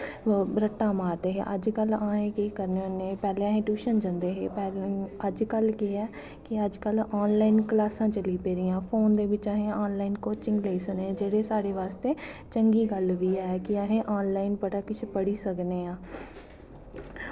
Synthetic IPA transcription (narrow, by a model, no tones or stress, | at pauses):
ɾəʈːãːmaːɾd̪eːɦḛːʔəd͡ʒkəlaːɦẽːkiːkəɾneːəneːpɛːleːãːɦẽːʈuːʃənd͡ʒənd̪eːɦeːpɛːəd͡ʒkəlkiɛː | kɪəd͡ʒkəlaːnlaːinklaːsãːt͡ʃəliːpeːɾiːãːpʰoːnd̪eːʋɪt͡ʃaːɦẽːaːnlaːinkoːt͡ʃɪ̃ŋɡleːiːsəneːd͡ʒeːɽeːsaːɽeːʋaːst̪eːt͡ʃəŋɡiːɡəlʋiːɛːkɪaːɦẽːʔaːnlaːinpəɽaːkɪt͡ʃʰpəɽiːsəkneːãː